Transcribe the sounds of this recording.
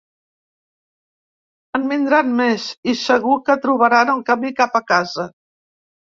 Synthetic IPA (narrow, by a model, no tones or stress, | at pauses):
əmbind̪ɾanmezisəɣukət̪ɾuβ̞əɾanəŋkəmikapəkazə